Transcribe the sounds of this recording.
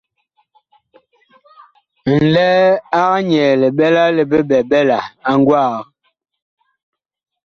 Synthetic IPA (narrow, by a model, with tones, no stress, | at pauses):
n̩˨lɛ˦a˦ɣa˦ɲɛ˨le˨ɓɛ˦la˦le˨be˦ɓɛ˨ɓɛ˦la˨a˦ŋ˦ɡwaː˦˨ɣ